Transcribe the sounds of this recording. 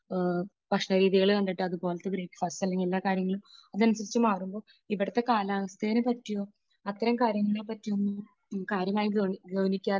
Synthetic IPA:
pɐkʂnɐɾiːðiɣɐɭʋɐɳɖ̪iʈːɨɐðupo̞ːlɐt̪ːeɡɾiːkːfɐsɐlːɐŋɡilːaːkaːɾjɐŋːɐɭumɐðɨɐnusɐɾit͡ɕːɨmaːrumbo̞ː | iʋiɽɐt̪ːe̞kaːlaːʋɐst̪ʰejnɨpɐtːijo̞ː | ɐt̪ːɐɾɐmkaːɾjɐŋːɐɭepːɐtːijonːu | kaːɾjɐmaːjiɡɐɡɐʋɐnikʲːaː

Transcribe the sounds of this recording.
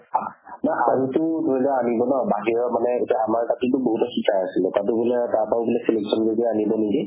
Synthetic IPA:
anaʔaɹitʊtuɛkaanibɔnɔbaɦiɹɔmanɛetiaamaɹtatutʊboɦutɔxikʰajasilɛtat̬ʊbulɛtaɹpaʊbulɛseleksʰɔnzokɛanibɔniki

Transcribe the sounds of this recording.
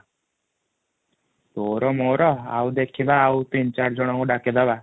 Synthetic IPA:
t̪oɾɔmoɾɔa̰wd̪ekʰibaːwt̪int͡ʃaɾd͡ʒɔɽ̃ɔŋkuɖaked̪aba

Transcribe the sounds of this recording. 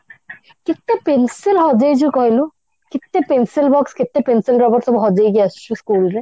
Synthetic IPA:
kit̪ːepensilɦɔd͡ʑajd͡ʑukɔɦilu | kit̪ːepensilbɔkskit̪ːepensilɾɔbɔɾsɔbɦɔd͡ʑajɡiast͡ʃʰuskulɾe

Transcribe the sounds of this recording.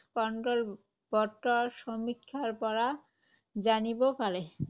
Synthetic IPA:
kɔɳʈɾol | bɔɾt̪ːɔʃomit̪kʰaɾpɔɾa | d͡ʑanibokaɾe

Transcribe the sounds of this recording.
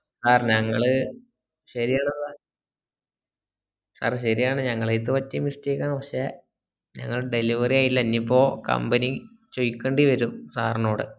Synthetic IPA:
saːrɲɐŋːɐɭɨ | ɕɐɾijaːɳɐar | sa̰ːrɕɐɾijaːɳɨɲɐŋːɐɭet̪̬ːɨʋɐtːimisteːkːaːnʋɐɕe | ɲɐ̰ŋːɐɭɖe̞liʋɐrijaːjilːɐnːipːo̞ːkɐ̰mbɐni | t͡ɕojkːeɳɖiʋɐɾumsaːrno̞ːɽɨ̰

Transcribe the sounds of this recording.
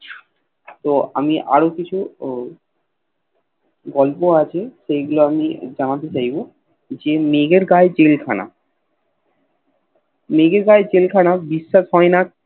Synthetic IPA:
t̪oa̰miʔa̰ɾokit͡ɕʰu | ɡɔlpoat͡ɕʰeʃejɡuloamid͡ʑanat̪et͡ɕajbo | d͡ʑemeɡeɾɡaet͡ɕelkʰana̰ | meɡeɾɡaet͡ɕelkʰanabiʃːaʃɦɔena

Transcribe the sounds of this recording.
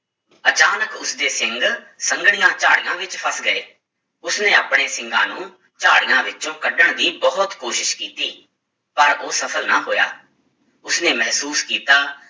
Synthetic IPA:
ət͡ʃaːnəkʊsd̪eːsɪ̃ŋɡ | səŋɡɽ̃ɪjãːt͡ʃaːɽɪjãːʋɪt͡ʃpʰəsɡəḛː | ʊsnẽːaːpɽeːsɪ̃ŋɡã̰ːnũː | t͡ʃa̰ːɽɪjãːʋɪt͡ʃõːkəɖəɳd̪iːbɔːt̪koːʃɪʃkiːt̪iː | pəɾoːsəpʰəlnaːɦoːja̰ː | ʊsneːmɛɦsuːskiːt̪aː

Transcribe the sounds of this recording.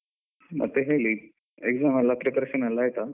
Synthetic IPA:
ma̰t̪eɦeliː | eɡd͡zamalapɾepɾeɕənalaɦet̪a

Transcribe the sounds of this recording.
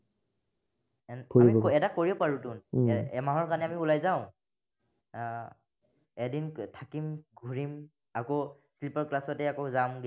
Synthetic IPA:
ɛnkoammɔkɛtakoɹipaɹutʊnɛmaɦɔɹkanɛamiulajzaʊ̃ | ɛdintʰakimɡʱuɹim | akoslipaɹklasɔtɛakozamɡ

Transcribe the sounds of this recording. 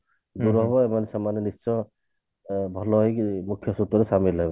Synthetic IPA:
d̪uɾɔɦɔbɔemanɛsamːanɔnist͡ʃɔ | bʱɔlɔikmukʰːjɔsut̪ːɔɾɛsamilːajbɔ

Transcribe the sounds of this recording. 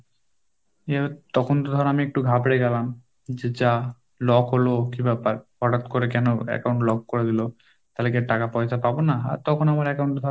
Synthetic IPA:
et̪ɔkʰont̪od̪ʱɔɾenamiek̚ʈuɡʱabɾeɡɛlam | d͡ʑed͡ʑa | lɔkɦolokĩmbapaɾpɔʈat̪koɾekɛnoɛ̰kawɳʈlɔk̚kːoɾed̪ilo | t̪alek̬eʈakapɔjsapabonaa̰ɾt̪ɔkʰonamaɾɛkawɳʈd̪ʱɔɾ

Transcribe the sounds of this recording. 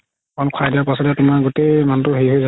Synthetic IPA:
kɔnkʰwajdiapasɔdjatʊmaɹɡutejmantʊɦeɦojza

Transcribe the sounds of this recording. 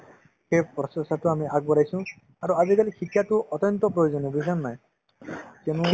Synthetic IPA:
kepɾɔsɔsat̪uamiʔaɡ̚bɔɾajsũ | aɾuad͡ʒikalikʰikʰjat̪uʔɔt̪jɔnt̪ɔpɾɔjod͡ʒɔnibisannaĩ | tenũ

